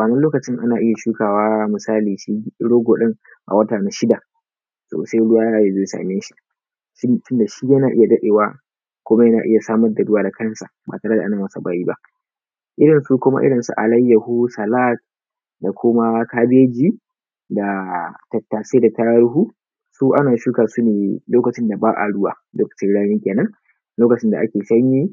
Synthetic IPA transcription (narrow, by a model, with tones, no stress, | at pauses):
waː˨nɐ˦loː˦kɐ˨t͡ʃɪ˦ŋʔa˦naː˨ʔɪ˦ja˨ʃuː˦kaː˨waː˦mɪ˨saː˦liː˨ʃi˦ɽoː˦ɡoː˨ɗɪ˦ŋ | ʔa̰˨wɐ˦taː˨na˨ʃɪ˦da˨ | so̰ː˨sa˦jɽʊ˦aː˦a˨je˨zoː˦sa̰ː˨neː˦ʃi̥˨ | ʃtʊ˦nda˨ʃi˦jɐ˦naː˨ʔɪ˦ja˨dɐ˦ɗeː˨waː˦ | kʷʊ˦ma˦jɐ˦naː˨ʔɪ˦ja˨saː˦mɐ˦rda˨ɽʊ˦waː˨da˨kɐ˦nsa˨ba̰ː˨taː˨ɽɐ˦da˨ʔa˦naː˨mɐ˦sa˨baː˦jiː˦ba˦ʔ | ʔɪ˦ɽɪ˨nsuː˦kʷʊ˦ma̰˦ʔɪ̰˦ɽɪ˨nsṵ˦ʔa̰˨lɐ˦jːɐ˨hu˦sɐ˨la˦t̚ | da˨kʷʰʊ˦ma˦kaː˦bɪ˦e˦d͡ʒiː˦ | da˨tɐ˨tːaː˨seː˦da˨taː˦ɽʊ˦ɦuː˦ | suː˦ʔa˦naː˨ʃuː˦kaː˨su˦neː˨loː˦kɐ˨t͡ʃɪ˦nda˨baː˦ʔa̰˨ɽʊ˦wa̰ː˨loː˦kɐ̥˨t͡ʃɪ˦nɽaː˦niː˦kʲeː˨nɐ˦ŋ | loː˦kɐ˨t͡ʃɪ˦nda˨ʔa̰˦kʲeː˨sɐ˦ɲjiː˦